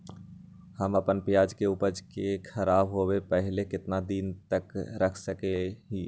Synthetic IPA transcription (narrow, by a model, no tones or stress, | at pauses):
hɐmɐpənpjaːd͡ʒkeʊpəd͡ʒkekʰɐɾaːbɦoːwepɛɦlekɪt̪nad̪iːnt̪əkɾɐkʰsəkeɦiː